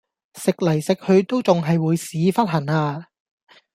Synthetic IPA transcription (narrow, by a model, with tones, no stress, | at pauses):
sɪ˨k̚lɐ˨˩jsɪ˨k̚hɵ˨˧ɥt̪o˥wt͡sʊ˨ŋɦɐ˨jwuː˨˧jsiː˨˥fɐ˥t̚hɐ˨˩ŋaː˧